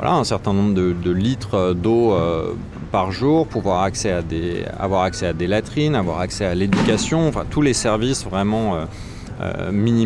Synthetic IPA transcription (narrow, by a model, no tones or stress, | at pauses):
vwa̰lʔaɛ̃sɛʁt̪ɛ̃nɔ̃bʁəd̪əd̪əlit̪χd̪oø | paʁʒuːʁpuavwaʁaksɛad̪ea̰vwaʁaksɛad̪elat̪χinavwa̰ʁaksɛaled̪ykʲasjɔ̃ɑ̃fɛ̰̃t̪ulesɛʁvisvʁɛmɑ̃ø | ø̰mini